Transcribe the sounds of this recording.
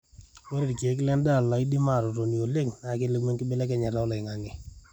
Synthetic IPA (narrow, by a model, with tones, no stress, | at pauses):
wo˦ɾe˨dke˨˦klɛ˦nda˦˨la˨i˦di˦ma˦˨ɾɔ˨ɾo˨ni˨o˨le˦ŋna˨ke˦le˦ɡme˦ŋkɪ˦bɪ˦lɛ˦kɛ˦ɲɛ˨ɾɔ˦lɔ˨ɪ˨ŋa˨ŋɛ˨